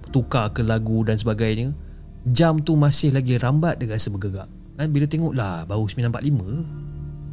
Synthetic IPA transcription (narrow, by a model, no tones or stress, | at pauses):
t̪ukakəlaɡudans̬əbaɡajɲə | d͡ʒamt̪umãsɪhlaɡiɾambat̪̚daasəbəɡəɡa̰ʔ | kanbilət̪eŋɔʔlahbaɾusəmilanpat̪ʔ̪̚limə̃